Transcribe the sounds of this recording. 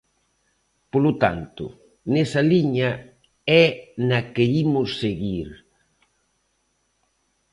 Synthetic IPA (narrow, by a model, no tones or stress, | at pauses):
polʊt̪a̰nt̪ʊ̰ | nesɐliɲɐ | ɛnɐkeimʊsːeɣiɾ